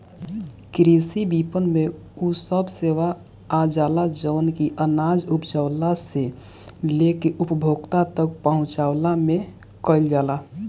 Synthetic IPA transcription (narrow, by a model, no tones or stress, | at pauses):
kɾisibipənme | usəbseʋaː | d͡ʒaːlad͡ʒəːnkiʔənad͡ʒupd͡ʒəʊlase | lekeʔupəbʱoɡt̪at̪ək̚pəɦʊ̃t͡ʃaʊlame | kəɪld͡ʒaːla